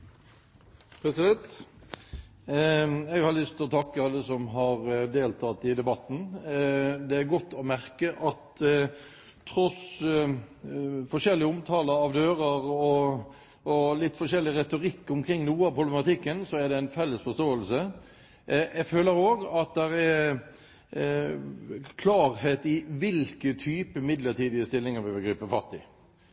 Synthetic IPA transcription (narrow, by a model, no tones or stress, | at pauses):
pʰɾɛsɪd̪ɛnt̪ | ɛɡhɑɾlʏst̪ɪlɔt̪ʰɑkːəɑlːəsɔmɦɑɾd̪eːlt̪ʰɑt̪ɪd̪ɛbɑt̪n̩ | d̪ɛæɾɡɔt̪ːɔmæɾkəʔɑt̪ | ɾɔs | fɔʂɛlːɪəʊmt̪ʰɑːləɑʋd̪øːɾəʁɔ | ɔlɪt̪ːfɔʂɛlːɪʁɛt̪ʊɾɪkːʊmkʰʁɪŋːnuːəɑpʰʊblɛmɑt̪ɪkːənsɔæd̪ɛæɪnfɛlːəsfɔst̪oːəlsə | ɛføːləɾoːɡɑt̪̚d̪ɛɾɛɾ | kʰlɑːɾheːt̪ɪʋɪlkət̪ʰyːpəmɪd̪ləʈiːd̪ɪəst̪ɪlːɪŋəbøʋəɡɾiːpəfɑt̪ːɪ